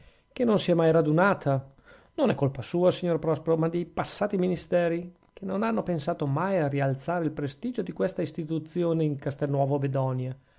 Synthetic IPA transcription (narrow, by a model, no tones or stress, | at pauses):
kenonsiɛmajɾad̪unaːt̪ʰa | nonɛkːolpasuːasiɲːorpɾɔspeɾomad̪ejpasːaːt̪iminist̪ɛːɾi | k̟ʰenonanːopensaːt̪omajarialt̪saːɾeilpɾest̪iːd͡ʒod̪ikwest̪aist̪it̪ut̪sːjoːneiŋkast̪ɛnːwɔːvobed̪ɔnja